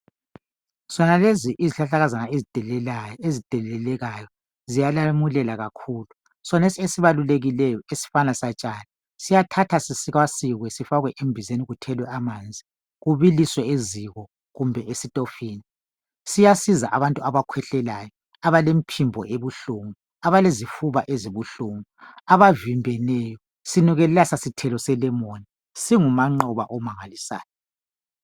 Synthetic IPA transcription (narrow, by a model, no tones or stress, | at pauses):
z̥ɔnaleziʔiziɬaɬaɣazanaezitɛezitʼɛɛlɛɣajɔ | zijalamulɛlaɣakʰuːlu | sɔnesiesiβaluleɣilɛjɔesi̥fanasat͡ʃʼani | sijatʰatʰasisiɣwasiɣwɛsifaɣwɛʔembʱizeniɣutʰɛlwɛamaːnd͡zʱi | ɣuβiliswɛeziɣɔ | ɣumbʱɛʔesitʼofiːni | sijasiza̰ʔaβantʼuaβakʰwɛɬɛlajɔ | aβalempʰimbʱɔ̰ʔeβuɬuŋu | aβalezifuβaʔeziβuɬuŋuaβavimbʱɛnɛjɔ | siniɣɛlɛlasasitʰɛlɔsɛlɛmoni | siŋumaŋ͡ǃɔβa̰ʔɔmaŋalisa̰ːjɔ